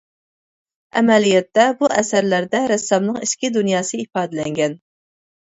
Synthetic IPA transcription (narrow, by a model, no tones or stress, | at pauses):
ɛ̰mɛlijɛt̪ːɛbuʔɛsæɾlæɾd̪ɛɾɛsːɑbnɨŋiʃkʲid̪unjɑːsɨifɑːd̪ɨlɛŋɡʲɛn